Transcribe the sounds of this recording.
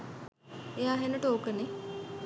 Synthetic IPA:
ejaːɦenəʈəokəne

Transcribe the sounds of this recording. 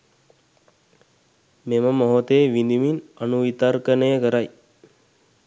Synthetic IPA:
meməmoɦot̪eːʋind̪iminanuʋit̪aɾkənəjəkəɾaj

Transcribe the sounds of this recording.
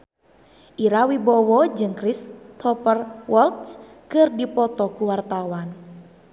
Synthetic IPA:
ʔiɾawibɔwɔd͡ʒɨŋkɾist̪ʰɔpərwɔlt̪s | kɨrdipɔt̪ɔkuwart̪awan

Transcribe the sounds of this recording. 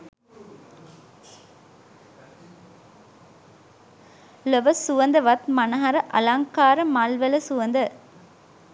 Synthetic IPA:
ləʋɐsuʋɐnd̪ɐʋɐt̪mɐnɐɦɐɾɐʔɐlaŋkaːɾɐmalʋɐlɐsuʋɐnd̪ɐ

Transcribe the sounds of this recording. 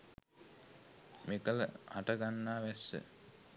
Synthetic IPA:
mekələ̰haʈəɡanːaːʋæsːə̰

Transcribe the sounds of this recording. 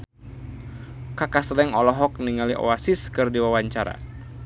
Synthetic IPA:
kakaslɛŋɔlɔɦɔk̚niŋaliʔɔ̰asiskɨrdiwawaɲt͡ʃaɾa̰

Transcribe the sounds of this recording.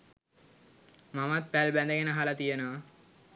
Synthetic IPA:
mamat̪̚pɛlbɛnd̪eɡɛnaɦalat̪ijena

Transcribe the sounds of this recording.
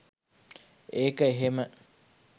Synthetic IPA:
ekəeɦemə

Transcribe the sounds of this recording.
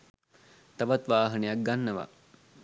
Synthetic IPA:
t̪ɐʋɐt̪ʋaːɦɐnejak̚ɡanːəʋa̰

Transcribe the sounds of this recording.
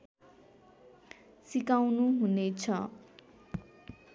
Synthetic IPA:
sikawnuɦunet͡sʰʌ

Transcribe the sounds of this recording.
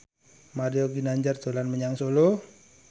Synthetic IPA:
maɾioɡinaɲd͡ʒard̪̥o̤lanməɲaŋsolo

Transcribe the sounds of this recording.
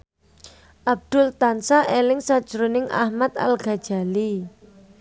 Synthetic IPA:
ʔab̚d̪̥ʊ̤lt̪ansaʔelɪŋsad̥ʒ̥ɾonɪŋʔa̰hmat̪̚a̰lɡ̥a̤d̥ʒ̥a̤li

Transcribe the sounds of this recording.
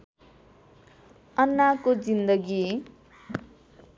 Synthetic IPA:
ʌnːakod͡zind̪ʌɡi

